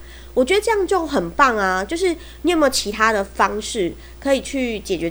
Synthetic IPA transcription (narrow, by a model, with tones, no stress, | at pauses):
wɔ˨˩t͡ɕɥɛ˧˦d̪ə˧ʈ͡ʂɤ˥˧jɑ˥˧ŋt͡ɕjo˥˩ʊxə˨˩npɑ˥˩ŋa˨t͡ɕjo˥˧ʊʂ̬ɻ̩˥˩ | ni˨˥˨m˥˩t͡ɕʰi˧˥t̪ʰa˦˥d̪ə˨fɑ˦˥ŋʂɻ̩˥˩ | kʰɤ˧˦˥i˨˩t͡ɕʰy˥˨t͡ɕjɛ˨˩t͡ɕɥɛ˧˦˥